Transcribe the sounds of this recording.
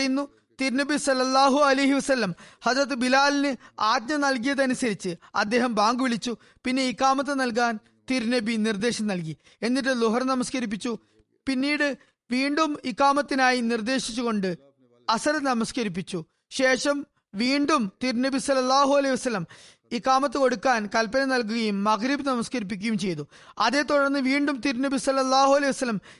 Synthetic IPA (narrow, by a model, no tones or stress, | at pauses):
jinːu | t̪iɾnɐbisɐlːɐlːaːɦuɐlɐjɦiʋɐsɐlːɐmhɐzɾɐt̪̬ːɨbilaːlinɨaːd̪̚ɲɐnɐlk̬ijɐðɐnusɐɾit͡ɕːɨɐ̰d̪ːe̞ːɦɐmbaːŋɡuʋiɭit͡ɕːu | pinːe̞ikːaːmɐt̪̬ːenɐlk̬aːn | t̪iɾnɐbinird̪e̞ːɕɐmnɐlk̬i | e̞nːit̬ːɨluɦɐrnɐmɐskɐɾip̬ːit͡ɕːu | pinːiːɽɨ | ʋiːɳɖumikːaːmɐt̪ːinaːjinird̪e̞ːɕit͡ɕːuɣo̞ɳɖɨ | ɐsɐɾɐnɐmɐskɐɾip̬ːit͡ɕːu | ɕe̞ːʂɐm | ʋiːɳɖumt̪iɾnɐbisɐlːɐlːaːɦuɐlɐjiʋɐsɐlːɐm | ikːaːmɐt̪̬ːɨko̞ɽukːaːnkɐlpːɐnɐnɐlk̬uɣɐjumːɐɣɾibɨnɐmɐskɐɾip̬ːik̬ʲːɐjumt͡ɕe̞jt̪u | ɐðe̞ːt̪uɽɐrnːɨʋiːɳɖumt̪iɾunɐbisɐlːɐlːaːɦuɐlejiʋɐsɐlːɐm